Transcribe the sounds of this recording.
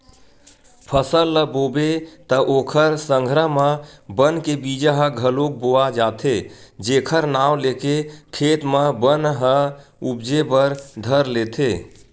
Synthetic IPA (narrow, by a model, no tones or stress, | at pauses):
pʰəsəlːəbobet̪əʔoːkʰəɾsə̃ŋɡʱɾəɦmə̃bənkebid͡ʒəɦəɡʱəlok̚boad͡ʒat̪ʰed͡ʒeːkʰəɾnawlekekʰet̪məbənɦəubd͡ʒebəɾd̪ʱəɾlet̪ʰe